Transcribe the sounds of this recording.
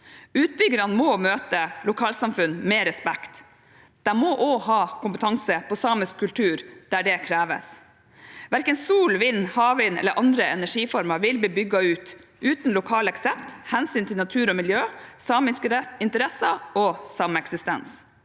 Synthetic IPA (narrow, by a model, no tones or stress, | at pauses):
ʉːt̪̚bʏɡəɾɑnmɔmøːt̪əlʊkʰɑːlsɑmfʉnmeːɾɛspɛkt̪ | d̪̥æmɔʔohɑːkʊmpət̪ʰɑŋsəpʰɔsɑːməskʰːʉlt̪ʰʉːɾd̪̥æɖɛkʰɾæːʋə̰s | ʋæɾkənsuːlʋɪnːhɑːʋɪnɛ̰ləɾʔɑnd̪ɾəɛnæʂiːfɔɾmɑʋɪlbiːbʏɡɑʉːt̪ | ʔʉːt̪n̩lʊkʰɑːlɛksɛp̚t̪hɛnsyːnt̪ʰɪnɑt̪ʰʉːɾɔmɪljøːsɑːmɪskɛɪnt̪əɾɛsɑɔsɑmɛksɪst̪ɛ̰ns